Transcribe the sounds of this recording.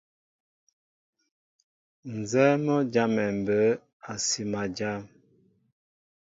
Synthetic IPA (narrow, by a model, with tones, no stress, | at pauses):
n̩˨zɛ˦mɔ˦d͡ʒa˦mɛ˨m˨bə˦ | a˨si˨ma˨d͡ʒa˦m